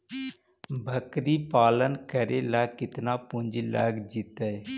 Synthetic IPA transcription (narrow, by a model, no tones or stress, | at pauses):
bʱəkɾiːpaːlənkəɾeːlaːkɪt̪naːpʊ̃ɲd͡ʒilə̰ɡd͡ʒɪt̪əe